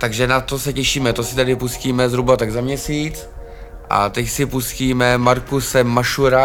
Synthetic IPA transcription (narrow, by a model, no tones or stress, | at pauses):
t̪aɡʒɛnat̪osɛcɛʃiːmɛt̪osɪt̪adɪpusciːmɛzɦɾubat̪aɡzamɲɛsiːt͡s | ʔa̰t̪ɛcsɪpusciːmɛmaɾkusɛmːaʃuɾa